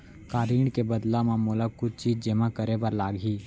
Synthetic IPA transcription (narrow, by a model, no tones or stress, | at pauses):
kaːɾiːɳkebəd̪lamãmoːlakʊt͡ʃʰt͡ʃiːd͡ʒd͡ʒəmãkəɾebɐɾlaːɡiː